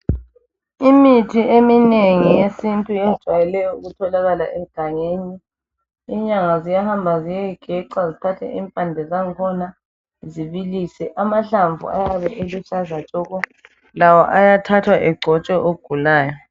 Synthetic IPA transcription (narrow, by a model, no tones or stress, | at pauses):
imitʰiʔemineŋijesintʼujɛzd̥ʒ̥ʱwajɛlɛjɔuɣutʰɔlaɣala̰ʔɛɡ̥ʱaŋeniː | ɲaŋazijahambʱazijɛiɡ̥ʱɛǀwazitʰatʰɛ̰ʔimpʼandʱɛzaŋkʰɔna | ziβilisɛʔamaɬaɱvṵa̰jaβɛʔelusazat͡ʃʼɔːɣɔ | lawɔ̰ʔajatʰatʰwaʔɛɡ͡ǀʱɔt͡ʃʼɔʔoɡ̥ʱulaːjɔ